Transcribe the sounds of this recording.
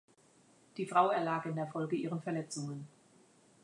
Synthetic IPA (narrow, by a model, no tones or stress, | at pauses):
d̥iːfʁ̥aʊɛɐlaːkɪndeːɐfɔlɡəiːʁənfɛɐlɛt͡sʊŋən